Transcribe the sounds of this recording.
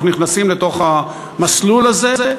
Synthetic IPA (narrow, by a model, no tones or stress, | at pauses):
niχnasimlet̪o̞χa | maslulaze̞e